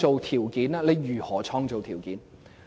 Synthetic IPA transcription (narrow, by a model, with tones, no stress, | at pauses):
t͡ʃo˨˧wt̪ʰiː˨˩wkiː˨˥naː˧le˨˧jjyː˨˩hɔː˨˥t͡ʃʰɔː˧ŋt͡so˨wt̪ʰiː˨˩wkiː˨˥n